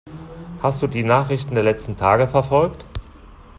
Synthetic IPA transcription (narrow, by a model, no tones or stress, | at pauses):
hast̚d̥uːdiːnaːχʁɪçtn̩deːɐlɛt͡stn̩tʰaːɡəfɛɐfɔlkt